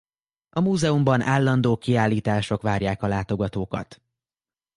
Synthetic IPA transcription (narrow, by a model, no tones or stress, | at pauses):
ɒmuːzɛumbɒnaːlːɒnd̪oːkiaːlːiːt̪aːʃo̞kʋaːɾjaːkɒlaːt̪o̞ɡɒt̪oːkɒ̰t̪